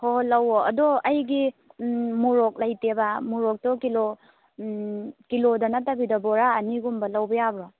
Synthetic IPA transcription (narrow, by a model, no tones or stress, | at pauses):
holɐwoɐdɔɐjɡi | muɾok̚lajtebamuɾɔk̚tɔkilo | kilodɐnatabidɐbɔɾaːniɡumbɐlɐwbɐjabɾɔ